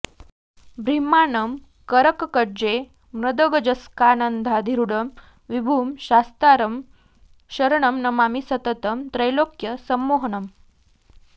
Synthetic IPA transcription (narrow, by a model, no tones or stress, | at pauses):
bɾimanəm | kəɾəkkəɾd͡ʑe | mɾɐd̪əɡəd͡ʑəskanənd̪ʱad̪ʱiɾuɽəm | ʋibʱuːmɕast̪aɾəm | ɕəɾɳəmnɐmamisət̪ət̪əmt̪ɾəjlokjəsəmːoɦnəm